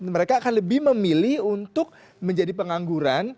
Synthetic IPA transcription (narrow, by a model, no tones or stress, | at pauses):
məɾekaːkanləbɪhməmilɪhunt̪ʊk̚ | məɲd͡ʒadipəŋaŋɡuɾan